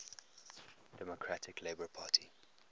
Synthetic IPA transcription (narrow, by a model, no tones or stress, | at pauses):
d̥ɛmɔkʰɹatʰɪkleɪbəpʰɑːtʰi